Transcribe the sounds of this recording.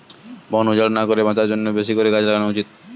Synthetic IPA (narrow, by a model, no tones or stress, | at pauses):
bɔnud͡ʑaɽnakoɾebãt͡ɕaɾd͡ʑonːobeʃ̬ikoɾekad͡ʑlakanut͡ɕit̪̚